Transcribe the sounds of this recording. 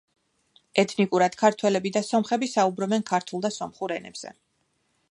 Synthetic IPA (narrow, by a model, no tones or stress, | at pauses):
ɛt̪ʰnikʼuɾad̪̥kʰaɾt̪ʰwɛlɛbid̪asɔmχɛbisaubɾɔbɛnkʰaɾt̪ʰulˠd̪asɔmχuɾɛnɛ̰bz̥ɛ̰